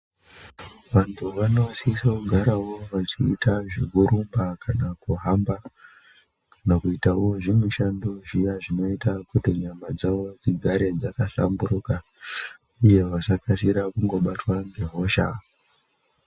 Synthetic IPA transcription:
ʋantʰuʋano̞sisakuɡʱaɾawo̞ʋat͡ʃḭːtaʐiɡuɾumbakanakuɦamba | kanakuitaoʐimuʃandoʐijaʐino̞itakutiɲamad͡zaʋo̞d͡ziɡʱaɾe̞d͡zakaɬa̰mbuɾuka | uje̞ʋasakasiɾakuŋɡo̞ɓatwaŋɡe̞ɦo̞ʃa̰

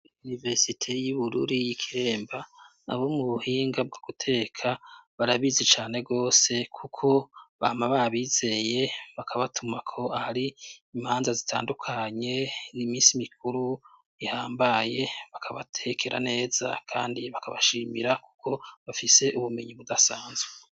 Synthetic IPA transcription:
unive̞ɾsitʰe̞juβuɾṵɾijikʰiɾe̞ːmba | a̰βomuβuhiːŋɡab̚ɡaɡ̥utʰe̞ːkʰaβaɾaβizet͡ʃaːne̞ɡo̞ːse̞kʰukʰo̞βaːmaβaβiːz̥e̞je̞βakʰaβatʰumakʰo̞ahaɾiːmhaːnzazitʰa̰ːndukʰaɲe̞imiːsimikʰuɾu | jihaːmbaje̞βakʰaβa̰tʰekʰe̞ɾʔa̰ne̞ːz̥a̰kʰaːndiβakaβa̰ʃimiɾaku̥kʰo̞βafise̞ʔuβume̞ɲiβudasaːnzwe

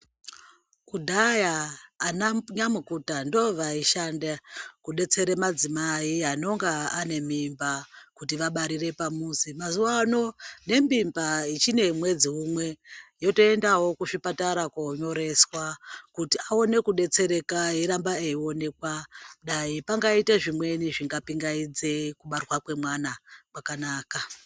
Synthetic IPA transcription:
kudʱajaːnaɲamukutando̞ʋaiʃandakuɗe̞t͡se̞ɾemad͡zimaiano̞ŋɡaane̞mimbakutiʋaɓaɾire̞pamuːsimazuwano̞ne̞mbimbait͡ʃine̞mwe̞d͡ziɦumwe̞jo̞to̞e̞ndawo̞kuʂipataɾakoɲo̞ɾe̞swakutiao̞ne̞kuɗe̞t͡se̞ɾe̞kaiɾambaeio̞ne̞kwaɗaipaŋɡaiteʐimwe̞niʐiŋɡapiŋɡaid͡ze̞kuɓarwakwe̞mwanakwakanaːka

